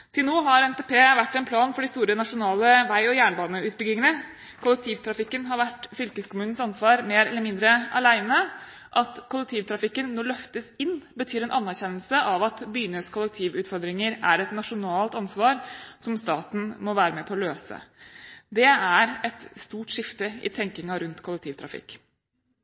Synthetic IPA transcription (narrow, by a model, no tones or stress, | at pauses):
t̪ʰɪlnoːɦɑɾɛnt̪eːpʰeːʋæʈːɛnpʰlɑːnfɔɖɪst̪uːɾənɑʂʊnɑːləʋæɪɔjæːɳbɑːnəʉːt̪̚bʏɡlɪŋənə | kʰʊlːɛk̚t̪ʰiːʋt̪ʰɾɑfɪkːənɦɑɾʋæʈːfʏlkəskʰʊmʉːnn̩sɑnsʋɑːɾmeːɾɛlːəmɪnd̪ɾəɑlæɪnə | ʔɑt̪kʰʊlːɛk̚t̪ʰiːʋt̪ʰɾɑfɪkːənːɔɭœft̪əsɪnːbət̪ʰyːɾɛnʔɑnːæɾçɛnːəlsəʔɑʋɑt̪byːnəskʰʊlːɛk̚t̪ʰiːʋʉːt̪fɔɾd̪ɾɪŋəɾæɾɛt̪nɑʂʊnɑːlt̪ɑnsʋɑːɾsɔmst̪ɑːt̪n̩mɔʋæːɾəmɛpʰɔɔløːsə̰d̪ɛæɾɛt̪st̪uːʈʂɪft̪əɪ̰t̪ʰɛŋkɪŋɑɾʉnt̪kʰʊlɛkt̪ʰiːʋt̪ʰɾɑ̰fɪ̰kː